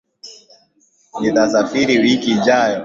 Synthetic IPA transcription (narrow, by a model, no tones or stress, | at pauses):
nit̪asafiɾiwikiːd͡ʒajɔ